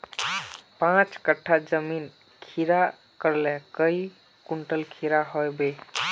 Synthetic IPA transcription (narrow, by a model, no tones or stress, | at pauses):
pãt͡ʃkəʈʰːad͡ʒəmin | kʰiɾa | kəɾlɛkəi | kuɳʈəlkʰiɾaɦojbe